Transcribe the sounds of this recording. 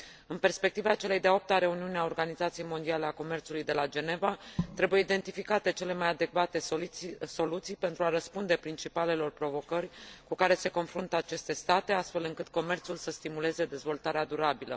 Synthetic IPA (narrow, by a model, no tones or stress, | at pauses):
ɨnpe̞rspe̞k̚t̪ivat͡ʃe̞le̞jd̪eop̚t̪aɾe̞uniuneao̞rɡanizat̪sijejmo̞nd̪iale̞ako̞me̞rt̪sulujd̪e̞lad͡ʒe̞ne̞vat̪ɾe̞buje̞id̪e̞nt̪ifikat̪e̞t͡ʃe̞le̞majad̪e̞kvat̪e̞so̞lut̪sijpe̞nt̪ɾuaɾəspund̪e̞pɾint͡ʃipale̞lo̞rpɾo̞vo̞kərʲkukaɾe̞se̞ko̞nfɾunt̪əat͡ʃe̞st̪e̞st̪at̪e̞ast̪fe̞lɨŋkɨt̪̚ko̞me̞rt̪sulsəst̪imule̞ze̞d̪e̞zvo̞lt̪aɾead̪uɾabilə̰